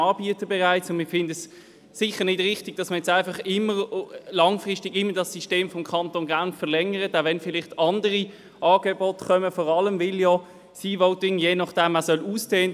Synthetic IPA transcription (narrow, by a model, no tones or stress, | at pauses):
ɑːb̥iətəbɛʁaɪt͡sʊnmɪfɪndəs | sɪχəʁnɪtʁɪχtɪɡ̥̚d̥ɑsməjɛt͡saɪfɑχɪməlɑŋfʁɪʃtɪɡɪmːəɾdɑsiʃteːmfɔmkʰɑntoːnɡaʊnfɛʁlɛŋəʁətavɛnfɪlɪχtɑndəʁi | ʔɑːɡ̥ebɔtχœməfɔːʁɑləmvɪljɔ | siːvoʊtɪŋjeːnɑχd̥ɛmːasœluːsd̥eːn